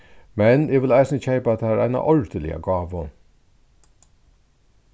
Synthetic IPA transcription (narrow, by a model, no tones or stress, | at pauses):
mɛnɛʋɪlæɪsnəçæɪpɑt̪d̪æːɾʔæ̰ɪnɑ̰ʔɔɹd̪əlɪ̰ɑ̰ɡɑːʋə